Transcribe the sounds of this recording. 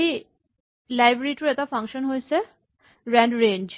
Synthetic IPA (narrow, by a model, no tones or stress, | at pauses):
i | laːɪbɾiʈuɛt̪afʰɐ̃ŋkʃənɦojse | ɾɛ̃ɳɖɾẽːɲd͡ʒ